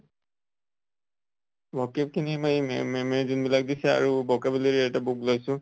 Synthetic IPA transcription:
bʱɔkep̚kʰinimajɛmɛmezunbilak̚d̪isɛa̰ɹubɔkabileɹiɛʈabuklojsʊ

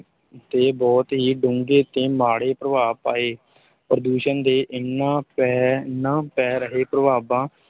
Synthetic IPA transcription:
t̪eːbɔːt̪ɦiːɖʊ̃ŋɡeːt̪eːmaːɽeːpɾəʋaːpaːeː | pɾəd̪uːʃənd̪eːʔɪnːãːpɛːnãːpɛːɾəɦeːpɾəʋaːbãː

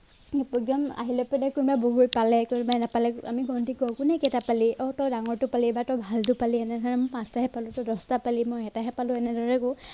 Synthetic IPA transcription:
pɔɡɔma̰ɦilɔpɔdakunbaboɡujpalɛkunbanapalɛa̰miɡɔntikɔkʊnɛkɛtapaliʔɔtɔwdaŋɔɹtʊpalibatɔwbʱaltʊpaliɛnɛdanɛmʊpãstaɦɛpalʊtɔdɔstapalimɔjɛtaɦɛpalʊ̃ɛnɛdɔɹɛkʊ

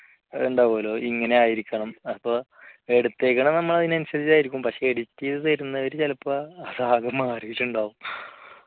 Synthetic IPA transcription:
uɳɖaːpoːlo̞ːʔiŋːɐne̞aːjiɾikʲːɐɳɐmɐpːoː | eɽut̪ːeːkːɐɳɐmnɐmːɐɭɐðinɐnuɕɐðit͡ɕːaːjiɾikʲːumpɐkʂe̞ːɽitʲːijɐðɨt̪ɐɾunːɐɐɾut͡ɕelɐpːɐːðaːɣɐmːaːriɣilːuɳɖaːʋum

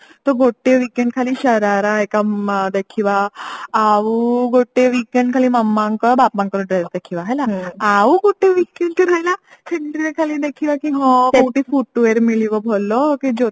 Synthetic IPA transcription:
t̪ɔɡoʈːeʋikeɳɖkʰaliɕəɾaɾaekad̪ekʰiʋaː | ʋuɡoʈːeʋikeɳɖkʰaliməmːãŋkəbapmãŋkəɾɖɾesd̪ekʰiʋaɦɛlaaʋuɡoʈːeʋikeɳɖt̪iɾajla | seɳʈɾiɾekʰalid̪ekʰiʋakiɦɔ̃kʈifuʈːʋeɾmiliʋɔbʱolːɔkid͡ʒo

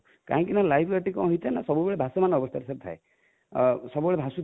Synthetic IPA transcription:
ka̰ɦɔ̃ŋkinalajbʱɡaʈikɔ̰̃ɦɔjt͡ʃʰanasɔbubeɭebʱasɔmanɔbɔst̪ʰaɾsʰat̪ʰae | sɔbubeɭebʱasu

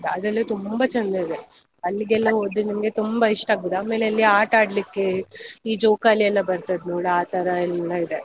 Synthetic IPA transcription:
d̪ɐd̪ɐlːit̪umbɐt͡ʃɐnd̪uid̪e | ɐlːiɡɛlːɐɦoːd̪ːinɐmɐɡe̞t̪umbɐiʂʈaːɡud̪aːme̞ːleɐlːiaːʈaːɽlikːeiːd͡ʒoːkaːliɛlːɐbɐɾt̪ɐd̪nuːɭɐaːt̪ɐɾɐnulːɐid̪e̞

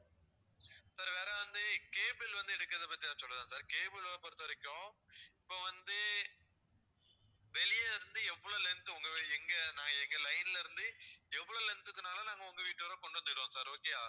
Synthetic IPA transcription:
saːɾʋeːɾɐʋɐnd̪ɯkeːbɪlʋɐnd̪ɯɪɽɯkːɾɐðɛpɐt̪ːiansɔlːɯðãːsaːɾkeːbɯlɐɐpɐɾɯt̪ːɐʋɐɾɪkʲːõːɪpːoːʋɐnd̪ɯ | ʋɛlɪjɐɪɾɯnd̪ɯɛʋːɐɭolɛnt̪ːɯʊŋɡɐʋɛŋɡɐnaːŋɡɐɛŋɡɐlɐɪnlɪɾɯnd̪ɯɛʋːɐɭolɛnt̪ːɯkːɯnaːlɐnaːŋɡɐʊŋɡɐʋiːʈːʋɐɾãːkɔɳɖɯʋɐnd̪ɪɽɯõːsaːɾoːkejaː

